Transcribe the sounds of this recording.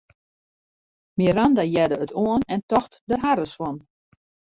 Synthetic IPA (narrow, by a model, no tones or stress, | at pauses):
miɾandajɛdəətʰoənɛntɔxtdəɦaɾəsfɔn